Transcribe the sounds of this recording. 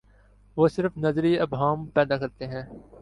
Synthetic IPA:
ʋoːsɪɾəfnɐzɾiɐbɦaːmpɛːd̪akɐɾt̪eɦɛ̃ː

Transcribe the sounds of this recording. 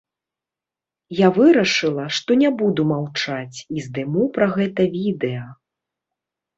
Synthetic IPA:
javɨɾɐʂɨlˠɐʂt̪ɔnʲɛbud̪umawt͡ʂat͡sʲizd̪ɨmupɾaɣɛt̪ɐvʲid̪ɛjɐ

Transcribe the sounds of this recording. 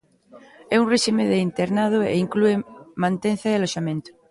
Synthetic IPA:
ɛunreʃimeðeint̪eɾnað̞oeiŋkluemãnt̪enθaealoʃamẽnt̪o̥

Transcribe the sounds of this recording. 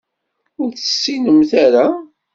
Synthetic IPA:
ʊɾθə̥sːinəmθaɾa

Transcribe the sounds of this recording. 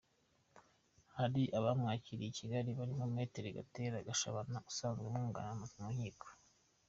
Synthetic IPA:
haɾiʔaβamŋaːciɾijicʰiɡaɾiβaɾimomŋeːteɾeɡa̰teːɾaɡaʃa̰βanau̥saːnzɡwemŋuːŋɡa̰namazimoiːko̥

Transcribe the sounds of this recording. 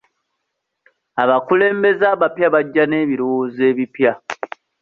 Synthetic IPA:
aβakule̞ːmbe̞zaːβapjaβaɟːane̞ːβiɾuwoːze̞ːβipja

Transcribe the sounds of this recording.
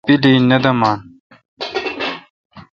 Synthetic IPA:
piliːnɐd̪ɐmaːn

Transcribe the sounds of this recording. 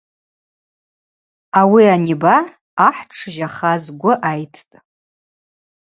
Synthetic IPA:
awianibaː | ħʈ͡ʂʰʒaχazɡʷʊʔajtʰtʼ

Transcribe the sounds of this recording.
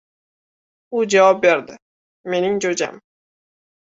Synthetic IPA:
ʊd͡ʒavɒp̚be̞ɾd̪ɪ | me̞nɪŋd͡ʒod͡ʒa̰m

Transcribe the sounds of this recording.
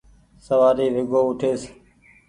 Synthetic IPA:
səʋaːɾiːʋɪɡoːʊʈʰeːs

